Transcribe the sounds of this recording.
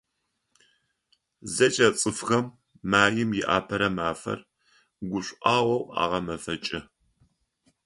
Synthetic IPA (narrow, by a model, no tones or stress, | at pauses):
zɐt͡ʃʼɐt͡sʼɨfxɐmː | aːjɪmjɪʔa̰ːpʰɐɾɐmaːfɐ̰r | ɡʷʊɕʷʼʔɑːwɐwa̰ːʁɐmɐfɐt͡ʃʼɪ